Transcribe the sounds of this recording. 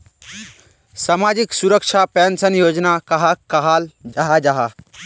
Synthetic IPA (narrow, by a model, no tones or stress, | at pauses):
saːmad͡ʒiksuɾəkʃʰapɛnsənjoːd͡ʒnakɐɦakɐɦaːld͡ʒaɦad͡ʒaɦa